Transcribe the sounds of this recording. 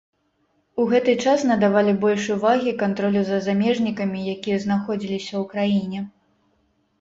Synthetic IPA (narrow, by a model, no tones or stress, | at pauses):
uɣɛt̪ɨt͡ʂasnɐd̪avalʲibɔlʲʂuvaɣʲikant̪ɾɔlʲuzɐzamʲɛʐnʲikɐmʲijakʲijɐznaxɔd͡zʲilʲisʲɐwkɾajinʲɛ